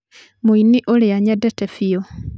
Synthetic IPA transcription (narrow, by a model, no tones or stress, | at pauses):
moiniʔoleaɲɛdɛtɛfio